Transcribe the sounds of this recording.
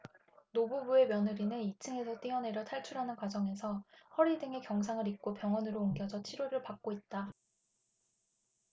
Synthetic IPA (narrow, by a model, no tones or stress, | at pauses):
nobubue̞mjʌnɯɾinɯnit͡ɕʰɯŋe̞sʰʌt͈iʌne̞ɾjʌtʰaɭt͡ɕʰuɾɦanɯnkwad͡ʑʌŋe̞sʰʌhʌɾidɯŋe̞kjʌŋs̬ʰaŋɯɾik̚k͈opjʌŋwʌnɯɾoːŋɡjʌd͡ʑʌt͡ɕʰiɾoɾɯɭpak̚k͈oit̚t͈a